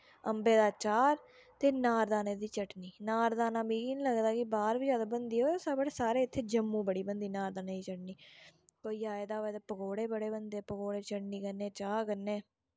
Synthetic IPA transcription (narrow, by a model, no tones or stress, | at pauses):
əmbeːd̪aːt͡ʃaːɾ | t̪eːnaːɾd̪aːneːd̪iːt͡ʃəʈniːnaːɾd̪aːnaːbiːkiniləɡd̪aːkɪbaːɾʋiːd͡ʒjaːd̪aːbənd̪iːoːsaːbəɽeːsaːɾeːɪt̪ʰːeːd͡ʒəmːũːbəɽiːbənd̪iːnaːɾd̪aːneːd̪iːt͡ʃəʈniː | koːiːaːed̪aːʋeːt̪eːpəɡoːɽeːbəɽeːbənd̪eːpəɡoːɽeːt͡ʃəʈniːkəneːt͡ʃaːkənːeː